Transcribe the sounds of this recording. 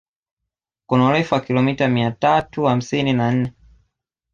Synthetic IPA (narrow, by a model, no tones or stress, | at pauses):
kunaulɛfuakilɔmitamiatatuham̩sininan̩nɛ